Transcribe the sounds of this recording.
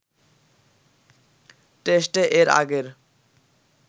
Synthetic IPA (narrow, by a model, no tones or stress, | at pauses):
ʈesʈeʔeɾa̰ɡeɾ